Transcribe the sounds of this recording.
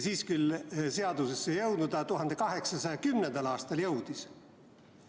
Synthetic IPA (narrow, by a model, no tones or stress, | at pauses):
siːskylseɑd̪̥usesːejɤwd̪nud̪ɑt̪uɦɑnd̪ekɑɦe̞ksɑsɑjɑkymnend̪̥ɑlɑːst̪ɑljɤwd̪̥is